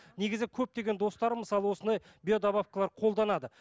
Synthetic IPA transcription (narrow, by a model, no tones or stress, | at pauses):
neɡʲɪzɪkʲʰɵp̚t̪e̞ɡʲend̪o̞st̪ɑɾəməsɑlˠəwo̞sənd̪ɑj | bʲiod̪abafkəlˠɑɾqʰo̞lˠd̪ɑnɑd̪ə